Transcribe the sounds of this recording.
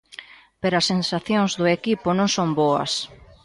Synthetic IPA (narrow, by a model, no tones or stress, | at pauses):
peɾoɐsːensaθjõŋzðʊekipʊnõŋsõmboɐ̰s